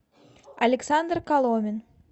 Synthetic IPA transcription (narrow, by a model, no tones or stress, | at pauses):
ɐlʲɪksand̪rkalˠomʲɪn